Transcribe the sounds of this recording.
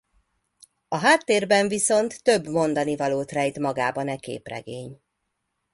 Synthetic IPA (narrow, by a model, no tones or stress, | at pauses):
ɒɦaːt̪ːeːrbɛɱviso̞nt̪ːøbmo̞nd̪ɒnivɒloːt̪rɛjt̪mɒɡaːbɒnɛkḛːprɛ̰ɡeːɲ